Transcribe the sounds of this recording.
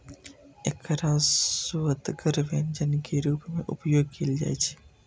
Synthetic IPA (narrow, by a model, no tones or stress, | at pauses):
ekɾaːzsuət̪ɡəɾʋend͡ʒənkeɾuːpmẽʔʊpjoːɡ̚keːld͡ʒa̰ːjt͡ʃʰe̥